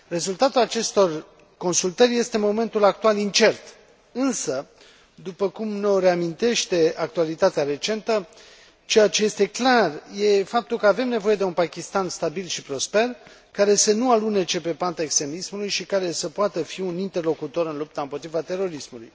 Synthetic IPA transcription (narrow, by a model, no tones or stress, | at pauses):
re̞zult̪at̪ulat͡ʃe̞st̪o̞r | ko̞nsult̪ərʲje̞st̪e̞mo̞me̞nt̪ulak̚t̪ualint͡ʃe̞rt̪ | ɨnsə | d̪upəkumno̞re̞amint̪e̞ʃt̪e̞ak̚t̪ualit̪at̪eaɾe̞t͡ʃe̞nt̪ə | t͡ʃe̞jat͡ʃe̞je̞st̪e̞klarje̞fap̚t̪ulkəave̞mne̞vo̞je̞d̪e̞unpakʲist̪anst̪abilʃipɾo̞spe̞r | kaɾe̞sənualunet͡ʃe̞pe̞pant̪aekst̪ɾe̞mismulujʃikaɾe̞səpoat̪əfiunint̪e̞rlo̞kut̪o̞ɾɨnlup̚t̪aɨmpo̞t̪ɾivat̪e̞ɾo̞ɾismulṵj